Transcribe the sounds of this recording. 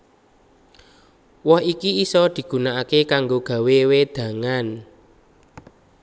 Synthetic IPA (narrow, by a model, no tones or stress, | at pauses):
wɔhikiisɔd̪̥i̤ɡ̥ṳnaakekaŋɡoɡ̥ä̤wewed̪̥ä̤ŋan